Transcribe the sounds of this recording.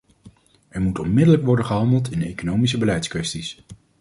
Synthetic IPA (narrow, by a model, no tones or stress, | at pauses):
ʔɛɹmutɔnmɪdələkʋɔɹdəχəɦɑndəlˠtɪndəejkonowmis̬əbəlɛjtskʋɛstis